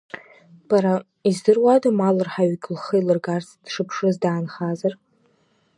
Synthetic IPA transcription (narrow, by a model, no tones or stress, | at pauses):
b̥aɾa | izdɨrwadamalɨrħaɥkʲʼlχɨjlɨrɡart͡sʰd̥ʂɨpʰʂɨzdaːnχazar